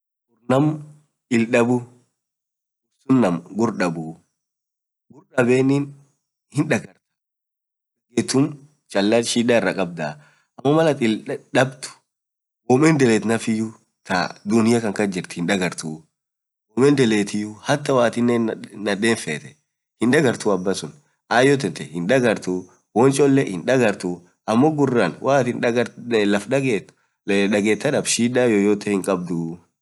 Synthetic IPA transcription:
ʔʊɾnɐm | ɪlɗɐbʊ | ʊbsʊnːɐmɡʊɾɗɐbʊ | ɡʊɾɗɐbeːnːin | hɪnᶑɐɡɐɾt̪ɐ̥ | ɛɡet̪ːʊm | t͡ʃʼɐlːɐʃiːᶑaːɪrːɐkʼɐb̚d̪a | ʔɐmːɐmɐlɐt̪ʼɪlɗɐbt̪ʊ̥ | wɔːmɛnd̪ɛleːt̪nɐfɪjʊ | t̪ɐ̰d̪ʊnɪjɐkɐŋkɐd͡ʒɪɾt̪ɪ̥hɪnᶑɐɡɐɾt̪ʊ | wɔmɛnd̪ɛleːt̪ɪjʊhɐt̪ːɐwaːt̪ɪnːɛnːɐd̪eːnfeːt̪ɛ̥ | hɪnᶑɐɡɐɾt̪ʊɐbːɐsʊn | ʔaːjɔt̪ːɛnt̪ɛhɪnᶑɐɡɐɾt̪ʊ | wɔnt͡ʃʼɔlːɛhɪnᶑɐɡɐɾt̪ʊ | ʔɐmːɔɡʊrːanwʔaːt̪ɪnᶑɐɡɐlɐfᶑɐɡeːt̪ː | ᶑɐɡeːt̪ːɐᶑɐbʃiːdajojoːt̪ɛhɪŋkʼɐb̚d̪ʊ

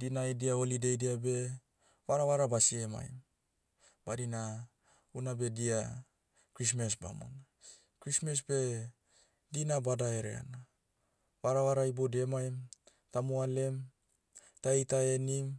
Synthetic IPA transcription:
dinajdiaolidejdiabe̞ | waɾawaɾabasiema̰jm | b̥aɾina | unabe̞dia | kɾis̬mesba̰mo̰na | kɾismes̬be̞ | dinabadaeɾḛa̰na | waɾawaɾaibodemajm | tamuale̞m | taejtaenim

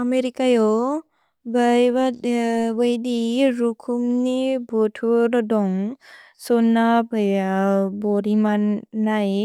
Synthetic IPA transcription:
ameɾikajɔ | bajbabajdiɾukʰumnibɔtʰuɾdɔŋ | sɔnːabajbɔɾimanaj

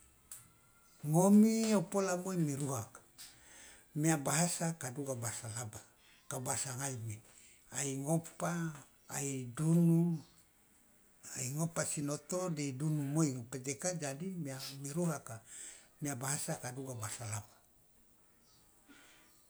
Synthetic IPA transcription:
ŋomiopolamoimiɾuɦakḁ | miabaɦasakaduɡabasalaba | kabasaŋaimi | aiŋopa̰ː | idunu | aiŋopasinot̪odedunumoiŋoped͡ʒ̪ekad͡ʒadimiamiɾuɦakamiabaɦasakaduɡabasalaba

